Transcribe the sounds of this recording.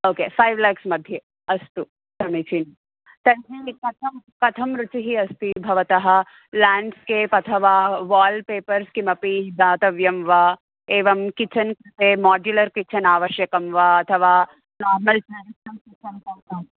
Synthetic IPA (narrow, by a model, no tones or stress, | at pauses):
oːkeːfɐjʋlɐjksmɐd̪ʱjɐ | ɐst̪u | t̪ɐmit͡ʃin | t̪ɐnɦikɐt̪ʰɐmkɐt̪ʰɐmɾut͡ʃiɦiɐst̪ibʱɐʋɐt̪ɐɦɐ̆ | laːɳɖskeːpɐt̪ʰɐʋaːʋaːlɖpeːpɐɾskimɐpid̪aːt̪ɐʋjɐmʋa | eːʋɐmkit͡ʃɐnkut̪eːmaːd͡ʒjulɐɾkit͡ʃʰɐnaːʋɐʃjɐkɐmʋɐɐt̪ʰɐʋaː | naːɾmɐlt͡ʃɐaːɾisɐmkit͡ʃɐnkɐtɐː